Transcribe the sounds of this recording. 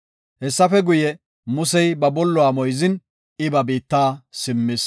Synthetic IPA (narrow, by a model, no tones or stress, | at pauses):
hɛsːɐfɛɡʊjɛ | mʊsɛjbɐbɔlːɔwaːmɔjzɪn | ɪbɐbiːt̪ːaːsɪmːɪs